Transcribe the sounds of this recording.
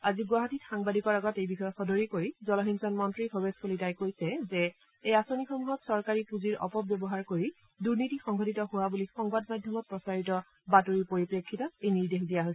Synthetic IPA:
aziɡwaɦatitxaŋbadikɔɹaɡɔtejbixɔjɔtxɔdʱoɹikoɹizɔlɔɦinsɔnmɔntɹikʰɔbeskolitajkojsɛzɛ | ejasonixomuɦɔtsɔɹkaɹipuziɹɔ̰pɔpbjɔbɔɦaɹkoɹi | duɹnitixɔŋɡʱɔtitɔɦʊwabulixɔŋbadmadʱjɔmɔt̚pɹɔsaɹitɔ | batoɹipoɹipɹekʰːitɔejniɹdexdijaɦojsɛ

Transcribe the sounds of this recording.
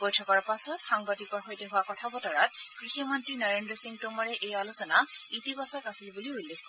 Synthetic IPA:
b̥ɔjtʰɔkaɹpasɔtxaŋbadikɔɹxojtɛɦʊwakɔtʰabɔtɔɹatkɹiximɔntɹinɔɹendɹɔsiŋ̚tomɔɹɛʔejalosɔnaitibasakasilbuliulːekʰkɔ

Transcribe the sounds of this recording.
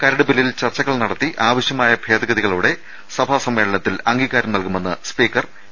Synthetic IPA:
kɐɾɐɽubililt͡ɕɐrt͡ɕɐɣɐɭnɐɽɐt̪ːiʔaːʋɐɕjɐmaːjɐbʱe̞ːd̪ɐɡɐðiɣɐɭuːɽe̞ | sɐbʱaːsɐmːe̞ːɭɐɳɐt̪ːilɐŋɡiːɣaːɾɐmnɐlkume̞nːɨspiːkːɐr

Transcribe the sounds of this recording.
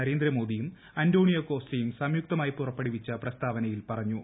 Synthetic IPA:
ɐɾe̞ːnd̪ɾɐmo̞ːd̪ijum | ɐndo̞ːɳijɐko̞ːstɐjumsɐmjuk̚t̪ɐmaːjipurɐpːeɽiʋit͡ɕːɐprɐst̪ʰaːʋɐnɐjilpɐrɐɲːu

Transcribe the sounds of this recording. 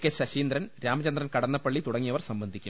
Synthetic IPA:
kʲːeɕɐɕiːnd̪rɐnɾaːmɐt͡ɕɐnd̪rɐnkɐɽɐnːɐpːɐɭːit̪uɽɐŋːijɐʋɐrsɐmbɐnd̪ʱikʲːum

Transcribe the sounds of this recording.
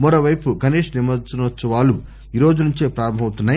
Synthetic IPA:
mɐɾoːʋɐjpuɡʱɐneːʂnimɐd̪sinɐt̪sɐʋaːlu | iːɾo̞ːd͡ʒunuɲt͡ʃeːpɾaːɾɐmbʱɐwt̪unːaːji

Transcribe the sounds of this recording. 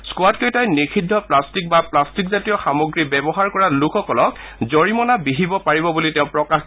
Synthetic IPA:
skʊatkejtajnikʰidʱːɔplastik̚baplastikzatijɔxamoɡɹibɛbɔɦaɹkɔɹalukʰɔkɔlɔk | zɔɹimɔnabiɦibɔpaɹibɔbulitɛʊ̃pɹɔkax

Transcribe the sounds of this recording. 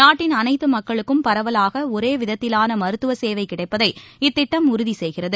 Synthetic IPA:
naːʈːɪnɐnɐɪt̪ːɯmɐkkːɐɭɯkːɯmpɐɾɐʋɐlaːɣɐɔɾeːʋɪðɐt̪ːɪlaːnɐmɐɾɯt̪ːɯʋɐseːʋɐɪkɪɽɐɪpːɐðɐɪɪt̪ːɪʈːɐmʊɾʊðisɛjɣɪrɐðɯ

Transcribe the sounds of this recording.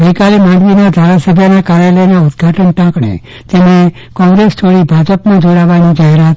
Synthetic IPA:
ɡəjkalemãɳɖʋinad̪ʱaɾasəbʱjənakaɾjaləjnaʊd̪ɡʱaʈənʈãkɳḛ | t̪emnẽ | kɔ̃ŋɡɾest̪ʰoɽibʱad͡ʒəpmãd͡ʒoɽaʋanid͡ʒaɦɛɾat̪

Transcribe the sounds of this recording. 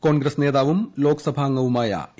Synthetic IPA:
ko̞ːnɡɾɐsne̞ːðaːʋumlo̞ːkɐsɐbʱaːŋːɐʋumaːjɐ̰

